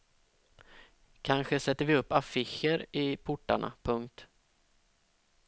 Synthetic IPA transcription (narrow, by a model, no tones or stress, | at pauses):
kʰanɧəsɛt̪ːəɾvɪɵpːafɪɕəɾɪpʰʊʈːa̰ɳa̰pʰɵŋk̚t̪